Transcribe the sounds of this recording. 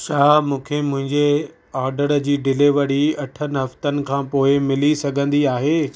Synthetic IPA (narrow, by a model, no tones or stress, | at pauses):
t͡ɕʰaːmũːkʰemʊ̃ɦɪ̃ɲd͡ʑe | ɔːɾɖəɽd͡ʑiːɖɪleʋɐɽ̤iɐʈʰənɪ̆ɦɐft̪ənɪ̆kʰãːpoːɪmɪlisɐɡʱə̃nd̪iaːɦeː